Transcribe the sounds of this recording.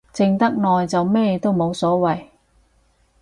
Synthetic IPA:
t͡sɪ˧ŋt̪ɐ˥k̚nɔː˨jt͡sɐ˨wmɛː˥t̪o˥wmo˨˧wsɔː˨˥wɐ˨j

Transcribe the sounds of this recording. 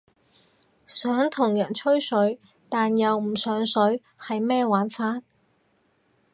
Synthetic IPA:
sœː˨˥ŋt̪ʰʊ˨˩ŋjɐ˨˩nt͡ʃʰɵ˥ɥsɵ˨˥ɥ | t̪aː˨njɐ˨wm̩˨˩sœː˨˥ŋsɵ˨˥ɥ | hɐ˨jmɛː˥waː˨˥nfaː˥n

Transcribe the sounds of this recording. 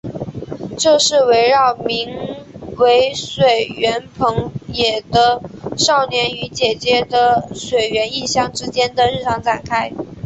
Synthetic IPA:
t͡ɕo˥˧ʂɻ̩˥˩we˧˥ɪɻɑ˥˩ʊmi˧˥ŋwe˧˥ɪʂwe˨˩ɪɥɛ˧˥npʰɤ˧˥ŋjɛ˨˩d̪ə˦ʂɑ˥˩ʊnjɛ˧˥ny˧˥t͡ɕjɛ˨˩t͡ɕjɛ˥d̪ə˨ʂwe˨˩ɪɥɛ˧˥ni˥˩˧ɕjɑ˥ŋʈ͡ʂɻ̩˥t͡ɕjɛ˥nd̪ə˨ɻ̩˥˩ʈ͡ʂʰɑ˧˥ŋʈ͡ʂa˨˩nkʰa˥ɪ

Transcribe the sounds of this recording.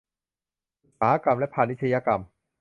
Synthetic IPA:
saː˨˦a˦˧˩ka˧mlɛ˦˥pʰaː˧˩nːi˥t̪t͡ɕʰa˧jaː˧ka˧m

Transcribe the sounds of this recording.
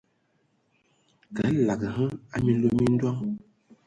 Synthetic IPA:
kɛ˨˦˨la˨ɡə˨hə˦a˦mi˦lo˦mi˦n̩˦dwa˦ŋ

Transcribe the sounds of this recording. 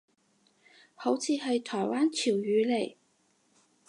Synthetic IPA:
ho˨˥wt͡sʰiː˨˧ɦɐ˨jt̪ʰɔː˨˩jwaː˥nt͡sʰiː˨˩wjyː˨˧le˨˩j

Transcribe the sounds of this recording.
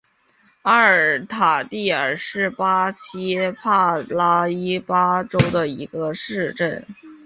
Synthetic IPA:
a˥ə˞˨˩t̪ʰa˨˩t̪i˥˩ə˞˨˩ʂɻ̩˥˩pa˥ɕʰi˥pʰa˥˩la˥i˥pa˥ʈ͡ʂo˥ʊd̪ə˨i˧˥ɡ̥ə˧ʂɻ̩˥˧ʈ͡ʂə˥˩n

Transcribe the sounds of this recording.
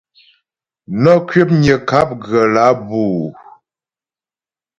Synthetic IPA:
nɔ˦kɥe˦p̚ɲə˨ka˦p̚ɣə˨la˨˦buː˦˨

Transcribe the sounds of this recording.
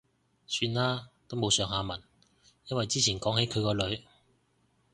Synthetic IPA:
syː˧nlaː˥t̪o˥wmo˨˧wsœː˨˧ŋɦaː˧mɐ˨˩n | jɐ˥nwɐ˨jt͡siː˥t͡sʰiː˨˩nkɔː˨˥ŋhe˨˥jkʰɵ˨˧ɥkɔː˧lɵ˨˧ɥ

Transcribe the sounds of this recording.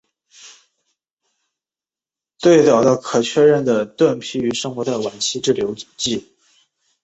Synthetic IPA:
t̪we˥˩ɪt̪ɑ˨˩ʊd̪ə˥˩kʰɤ˨˩t͡ɕʰɥɛ˥˧ɻə˥˩nd̪ə˩t̪wə˥˩npʰi˥y˧˥ʂɤ˥ŋxwɔ˧˥d̪ə˨wa˨˩nt͡ɕʰi˥ʈ͡ʂɻ̩˥˩ljo˧˥ʊ˨˩t͡ɕi˥˩

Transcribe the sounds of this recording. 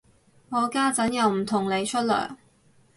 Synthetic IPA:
ŋɔː˨˧kaː˥t͡sɐ˨˥njɐ˨˧wm̩˨˩t̪ʰʊ˨˩ŋle˨˧jt͡ʃʰɵ˥t̚lœ̰ː˨˩j

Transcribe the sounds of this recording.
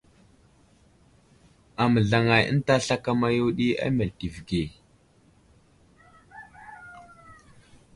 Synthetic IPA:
a˨mə˨ɮa˨ŋa˨jə̰˦n˦ta˦ɬa˦ka˦ma˦jo˦ɗi˦a̰˦ma˨ti˨vɡe˨

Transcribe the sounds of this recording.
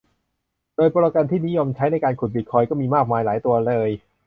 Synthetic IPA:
doː˧jpɔː˧ɾa˧ka˧nt̪ʰiː˥˩ni˦˥jo˧mt͡ɕʰa˦˥jna˧jkaː˧nkʰu˨˩t̪̚bi˨˩t̪̚kʰɔː˧jkɔː˥˩miː˧maː˥˩k̚maː˧jlaː˩˦jt̪u˧ɐlɤː˧j

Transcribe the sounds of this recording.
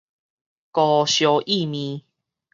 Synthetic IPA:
kɔ˨˩ɕjo˨ʔi˥˨mĩ˨˧˦

